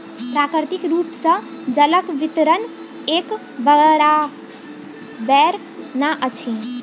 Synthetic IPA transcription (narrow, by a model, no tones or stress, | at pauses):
pɾakɾt̪ikɾupsə̃ | d͡ʒələkʋit̪ɾən | ek | bəɾa | bɛɾ | naʔət͡ʃʰi